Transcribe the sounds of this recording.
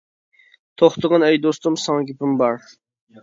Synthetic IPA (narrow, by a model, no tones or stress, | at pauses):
t̪ʰoχt̪əʁɑnɛjd̪ost̪umsɑŋɡʲipɪmbɑɾ